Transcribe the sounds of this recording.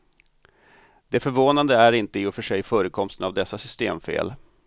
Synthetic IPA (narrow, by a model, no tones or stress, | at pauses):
d̪ɛfœɾvoːnand̪əæɾɪnt̪əɪʊfœʂɛjfœːɾəkʰɔmst̪ənavd̪ɛsːasʏst̪ḛːmfḛːl